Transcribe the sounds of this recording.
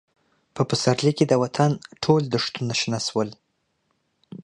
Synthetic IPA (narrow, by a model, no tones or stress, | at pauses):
pəpəsaɾliked̪əwat̪ʰanʈʰold̪əʂt̪unaʃnaswəl